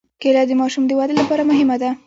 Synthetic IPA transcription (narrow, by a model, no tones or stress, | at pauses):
kelɑd̪əmɑʃumd̪əwad̪əlapɑɾamʊɦɪmad̪a